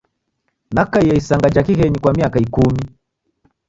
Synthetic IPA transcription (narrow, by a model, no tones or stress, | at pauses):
nakaijɛisaŋɡad͡ʒakihɛɲikwamiakaikumi